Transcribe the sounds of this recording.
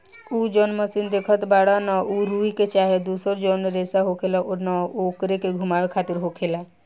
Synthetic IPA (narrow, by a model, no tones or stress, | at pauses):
ud͡ʒonməsind̪ekʰət̪baːɽanauɾuiket͡ʃaːɦed̪uːsəɾd͡ʒoːneɾeːsaɦokʰelaʔonaokɾekeɡʱumaːʋekʰaːt̪iɾɦokʰela